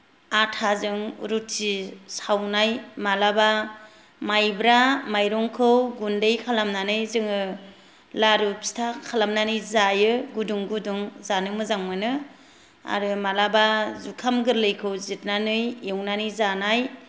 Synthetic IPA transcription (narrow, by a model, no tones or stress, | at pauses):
atʰazɯŋɾutʰisawnajmalaba | majbɾamajɾɔŋkʰɯwɡundejkʰalamnanɯjzɯŋɯ | laɾupsi̥tʰakʰalamnanɯjzajɯɡuduŋɡuduŋzanɯmɯzaŋmɯnɯ | a̰ɾɯmalabazukʰamɡɯɾlɯjkʰɯwzit̚nanɯjewnanɯjzanaj